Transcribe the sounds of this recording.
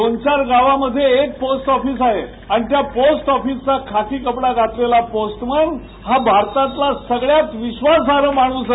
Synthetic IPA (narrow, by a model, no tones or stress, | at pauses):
ont͡ɕaɾɡaʋaməd̪ʱːjeːk̚posʈɔfiːs̬aɦe | anit̪japosʈɔfiːst͡sakʰakiːkəpɽaɡat̪lelaposʈməɳ | ɦabʱaɾt̪ãt̪lasəɡɭjat̪ʋiɕʋasaɾəmaɽ̃uːs